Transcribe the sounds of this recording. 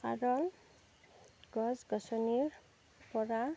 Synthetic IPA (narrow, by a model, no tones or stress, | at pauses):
a̰ɾɔl | ɡɔzɡɔsɔniɾ | pɔɾa